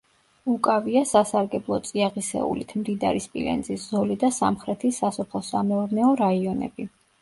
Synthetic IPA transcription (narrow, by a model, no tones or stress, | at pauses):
ukʼaviasasaɾɡɛblˠɔt̪sʼiaʁisɛ̰ṵlit̪ʰmd̪id̪a̰ɾispʼḭlɛ̰nd̪zisz̥ɔlid̪asa̰mχɾɛt̪ʰisasɔpʰlˠɔsamɛɔɾnɛɔɾaiɔnɛ̰bi